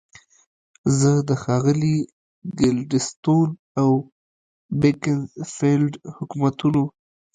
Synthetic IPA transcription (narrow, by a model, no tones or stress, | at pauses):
zəd̪əxɑɣəli | ɡɪlɖɪst̪on | aw | bekɪnfelɖhʊkumat̪uno